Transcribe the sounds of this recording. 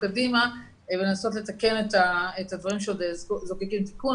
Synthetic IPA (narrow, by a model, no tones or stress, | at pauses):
kadima | velenaso̞tle̞take̞netaetadvɐʁimʃeodezkzokikimti̥ku